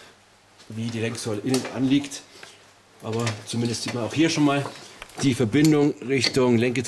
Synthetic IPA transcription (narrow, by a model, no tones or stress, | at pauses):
viːdiːlɛŋkz̥ɔləʔɪnənʔa̰nliːkt | ʔaːbɐt͡sumɪndəstz̥iːtmanaʊxhiːɐʃoːnmaːld̥iːfɛɐbɪndʊŋʁɪçtʊŋlɛŋkət